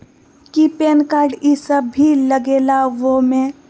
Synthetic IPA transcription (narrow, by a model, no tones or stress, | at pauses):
kipeːnkaːɾɖisəbʱːiləɡeːlaʋomẽ